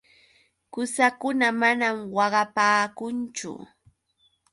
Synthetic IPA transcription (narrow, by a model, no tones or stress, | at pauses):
kʊsakʊnamanamwɑɢɑpaːkʊnt͡ʃʊ̰